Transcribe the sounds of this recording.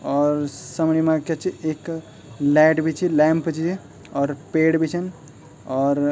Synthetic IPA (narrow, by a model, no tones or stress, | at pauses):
ɔɾsəmɽimãket͡ʃʰiʔek | laʈbʱit͡ʃʰilampt͡ʃʰi | ɔːɾpeɽbʱit͡ʃʰən | ɔɾ